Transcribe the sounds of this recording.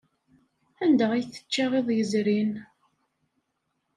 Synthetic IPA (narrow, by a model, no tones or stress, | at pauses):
ænd̪əʁijθə̥t͡ʃːaʁeðˤjəzɾin